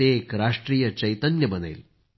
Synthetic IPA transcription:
ekɾaʂʈɾiːjət͡ɕɐjt̪ənjəbənḛjl

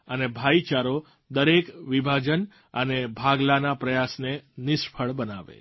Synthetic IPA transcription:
ənebʱait͡ʃaɾo | d̪əɾekʋibʱad͡ʒən | ənebʱaɡlanapɾəjasnenɪʃpʰəɭbənaʋḛ

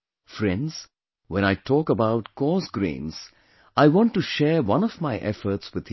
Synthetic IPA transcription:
fɾɛ̃nɖz̥ | wɛ̃ñaɪtʰɔːkəbaʊʈ̚kɔːsɡɾḛ̃ːnz̥ | ʔaɪwɔ̃ːnʈːuʃɛːɾwʌ̃nɔvmaɪʔɛ̰fəɾtswɪd̪̥

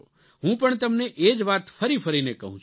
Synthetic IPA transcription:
ɦũpəɳt̪ɐəmneʔeːd͡ʒʋaːt̪pʰəɾipʰəɾinekɐɦũt͡ʃʰ

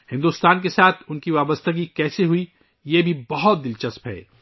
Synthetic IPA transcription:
hɪ̃nd̪uːst̪aːnkesaːt̪ʰʊnkiʋaːbəst̪əɡikɛːseɦui | jeːbʱibɐɦɔt̪̚d̪ɪlt͡ʃɐspɦɛ̰ː

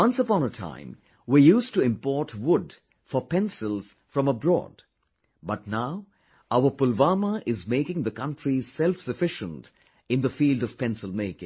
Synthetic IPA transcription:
wʌ̃nsəpɔ̃nətʰã̰ɪ̃m | wijuːstuɪ̃mpɔɹtʰwʊd | fəpɛ̃nsɪlˠz̥fɹʌ̃məbɹɔ̰ːd̥ | bʌtnaʊ | aʊəpʊlvaːməʔɪzmeɪkɪ̃ŋðəkʌ̃ntɹisɛlfsəfɪʃə̃nt | ɨ̃nd̪əfiːldɔv̥pɛ̃nsəlˠmeɪkɪ̰̃ŋ

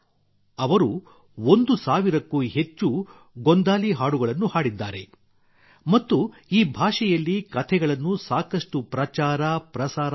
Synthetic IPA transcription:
ɐʋɐɾu | ond̪usaːʋiɾɐkːuɦe̞t͡ʃːu | ɡond̪aːliɦaːɽuɡɐɭɐnːuhaːɽid̪ːa̰ːɾe̞̰ | mɐt̪ːu | iːbʱaːʂɛjɐlːikɐt̪ʰɛɡɐɭɐnːusaːkɐʂʈupɾɐt͡ʃaːɾɐpɾɐsaːɾ

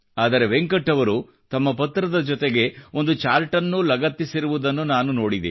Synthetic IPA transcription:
aːd̪ɐɾe̞ʋeŋkɐʈːɐʋɐɾu | t̪ɐmːɐpɐt̪ːɾɐd̪ɐd͡ʒɔt̪eɡe̞o̞nd̪ut͡ʃaːɾʈɐnːulɐɡɐt̪ːisiɾuʋud̪ɐnːunaːnuno̞ːɽid̪ḭ

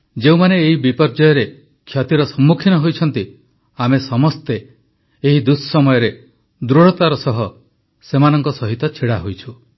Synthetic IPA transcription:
d͡ʒeũmaneːɦibipɔɾd͡ʒɔjɔɾe | kʰːjɔt̪iɾɔsɔmːukʰinɔɦojt͡ʃʰɔn̪t̪i | amesɔmɔst̪eː | ɦid̪ussɔmɔjɔɾe | d̪ɾuɽɔt̪aɾɔsɔɦɔ | semanɔŋkɔsɔɦit̪ɔt͡ʃʰiɽaɦojt͡ʃʰu

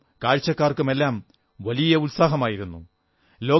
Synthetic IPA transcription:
kaːɻt͡ɕːɐkːaːrkume̞lːaːm | ʋɐlijɐut̪saːɦɐmaːjiɾunːṵ | lo̞ː

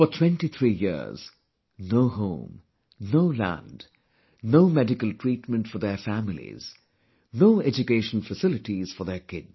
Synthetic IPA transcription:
fɔtʰw̥ɛ̃nʈit̪ʰɹiːjḭɹz̥ | noʊhõ̰ʊ̃m | noʊlæ̰̃nd | noʊmɛdɪkəlˠtʰɹ̥iːtmə̃ntfɔðɛfæmɪlḭz̥ | noʊɛd͡ʒʊkeɪʃə̃n̩fəsɪlɪʈiz̥fɔðɛkɪdz̥

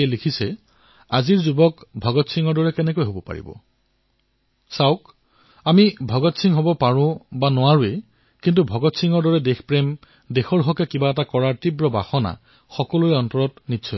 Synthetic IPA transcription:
elikʰisɛ | aziɹzubɔkbʱɔɡɔtsiŋɔɹdɔɹɛkɛnɛkojɦobɔpa̰ɹḭbɔ̰ | saʊk | amibʱɔɡɔtsʰiŋɦobɔpaɹʊ̃banʊwaɹue | kintubʱɔɡɔtsiŋɔɹdɔɹɛdexpɹɛm | dexɔɹɦɔkɛkibaɛtakɔɹaɹtibɹɔba̰xɔna̰ | xɔkɔlujɔntɔɹɔtnitːsʰɔ

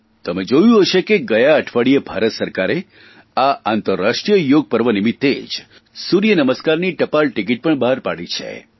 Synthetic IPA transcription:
t̪əmed͡ʒojũɦəʃekeɡəjaəʈʰʋaɽiebʱaɾət̪səɾkaɾe | aant̪əɾːaʂʈɾijəjoɡ̚pəɾʋənimit̪ːed͡ʒ | suɾijənəməskaɾniʈəpaɭʈik̬iʈ̚pəɳbaɦaɾpa̰ɽit͡ʃʰḛ

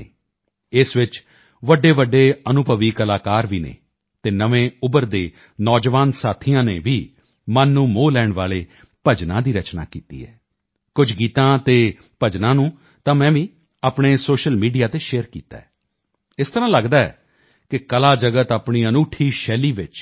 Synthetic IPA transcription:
ɪsʋɪt͡ʃ | ʋəɖeːʋəɖːeːənʊbʱəʋiːkəlaːkaːɾʋiːnḛː | t̪eːnəʋẽːʊbəɾd̪eː | nɔːd͡ʒʋaːnsaːt̪ʰɪjãːnḛːʋiː | mənːũːmoːlɛːɳʋaːleː | pəd͡ʒnã̰ːd̪iːɾət͡ʃna̰ːkḭːt̪ḭːɦɛ̰ː | kʊd͡ʒɡiːt̪ãːt̪eː | pəd͡ʒnãːnũː | t̪ãːmɛ̃ːʋiː | aːpɳeːsoːʃəlmiːɖijaːt̪eːʃeːəɾkḭːt̪a̰ːɛː | ɪst̪əɾãːləɡd̪aːɛ̰ː | kɪkəlaːd͡ʒəɡət̪aːpɳiːənuːʈʰiːʃɛːliːʋɪt͡ʃ

